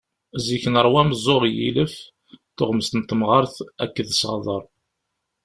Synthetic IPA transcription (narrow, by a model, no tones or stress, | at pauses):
ziçənəɾˤwæməzˤːoʁjḭləf | θʊʁməst̪ənt̪mʁəɾθækːəðəsəʁðˤəɾˤ